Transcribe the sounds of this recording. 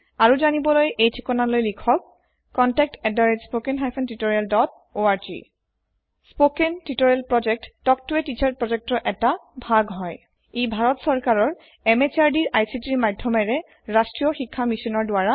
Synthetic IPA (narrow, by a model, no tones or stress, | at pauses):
aɹuzanibɔlojʔejtʰikɔnalojlikʰɔk̚ː | ɔntɛk̚tɛdaɹed͡ʒspokenɦajpʰɔntitoɹialdɔt̚ | oaɹzḭ | spokentitoɹɛlpɹɔd͡ʒɛk̚tːɔk̚tuetit͡ʃaɹ̚pɹɔd͡ʒɛk̚tɔʔɛtabʱaɡɦɔj | ebʱaɹɔtsɔɹkaɹɔɹ | ɛmet͡ʃaɹdiɹʔajsitiɹmadʱːɔmɛɹɛ | ɹastɹijɔxikʰːamisɔnɔɹdoaɹa